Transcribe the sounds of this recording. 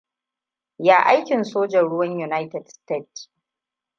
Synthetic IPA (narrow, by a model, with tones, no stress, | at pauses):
jaː˦ʔa˦jkʲɪ˨nsoː˦d͡ʒɐ˨nɽʊ˦wɐ˦ɲju˨na˦jtɛ˨dste˦˨t